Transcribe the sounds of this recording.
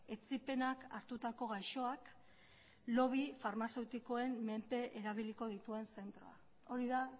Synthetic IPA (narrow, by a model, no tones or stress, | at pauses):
e̞t͡sipe̞naka̰ɾt̪ut̪ako̞ɣajʃo̞ak | lo̞β̞ifaɾmase̞wt̪iko̞e̞mme̞mpe̞ʔeɾaβ̞iliko̞ð̞it̪ue̞nse̞nt̪ɾo̞̰a̰ | o̞ɾiða